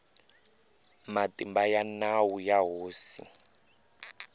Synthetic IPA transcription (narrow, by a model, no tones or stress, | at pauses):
matimbajanawujaɦoːsi